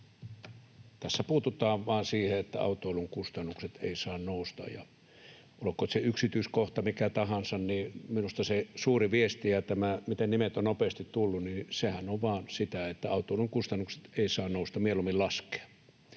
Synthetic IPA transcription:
t̪æsːæpuːt̪ut̪ˑɑːʋʋɑːnsiːheet̪ːæɑ̰ˑut̪ˑoˑiluŋkust̪ɑnːukset̪ḛˑisɑːnnoˑust̪ɑ̰jjɑ̰ | ulokːˑot̪seyksit̪yːskoht̪ɑmikæt̪ɑhɑnsɑnniːminust̪ɑsesuːriʋiest̪ijɑt̪æmæmit̪ennimet̪onnopeːst̪it̪t̪ulːunnisehænoʋʋɑːnsit̪æet̪ːæɑˑut̪ˑoˑluŋkust̪ɑnːukse̥t̪eˑisɑːnnoˑust̪ɑmielumːillɑske̥ɑ̥

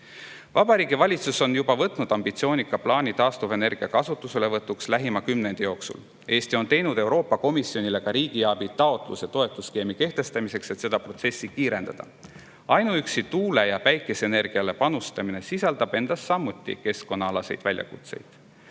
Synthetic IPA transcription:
vɑb̥ɑɾiːɡivɑlʲit̪suso̞njub̥ɑvɤt̪ˑnud̪̥ɑmb̥it̪sioːnʲikːˑɑplɑːnʲit̪ɑːst̪uve̞ne̞rɡ̥iɑkɑsut̪ːˑuse̞le̞vɤt̪ːˑukslæɦimɑkymne̞nd̪̥ejo̞ːksṵl | e̞ːst̪io̞nt̪e̞jnud̪̥e̞wɾo̞ːpːˑɑko̞misio̞nʲile̞kɑɾiːɡ̥iɑbit̪ɑo̞t̪ˑlṵset̪o̞e̞t̪ːˑuske̞ːmike̞ht̪e̞st̪ɑmise̞kse̞t̪se̞d̪̥ɑpro̞t̪se̞sːikiːɾe̞nd̪̥ɑd̪̥ɑ̰ | ɑjnuyksit̪uːle̞jɑpæjkːˑe̞seene̞rɡ̥iɑle̞pɑnust̪ɑmine̞sisɑld̪̥ɑb̥e̞nd̪̥ɑsːɑmːut̪ːˑḭke̞sko̞nːɑɑlɑse̞jd̪̥vælʲjɑ̰kut̪se̞̰jd̪̥

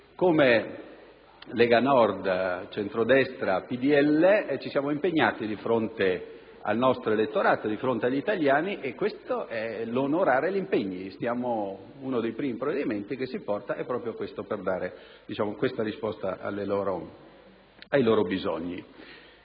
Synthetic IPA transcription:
kome | lɛɡanɔrd̪t͡ʃent̪ɾod̪ɛst̪ɾapid̪iɛlːet͡ʃisjaːmoimpeɲːaːt̪id̪ifɾont̪e | a̰lnɔst̪ɾoelet̪ːoɾaːt̪od̪ifɾont̪eaʎːit̪aljaːniʔekːwest̪oʔɛlonoɾaːɾelimpeɲːisjaːmo | unod̪ejpɾiːmipɾovːed̪iment̪ikesːipɔrt̪aʔɛpːɾɔːpɾjokwest̪operd̪aːɾe | d̪it͡ʃaːmokwest̪aɾispɔst̪aʔa̰lːeloːɾo | ajloːɾobizo̰ɲːḭ

